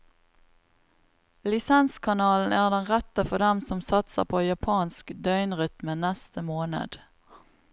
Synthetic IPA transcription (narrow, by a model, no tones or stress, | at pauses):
lɪsɛnskʰɑnɑːln̩æːʁd̪ɛnʁɛt̪əfɔd̪ɛmsɔmsɑt̪sə̰ʁpʰoːjɑpʰɑːnskd̪œʏnʁʏt̪mənɛst̪əmoːnə̰d̪̥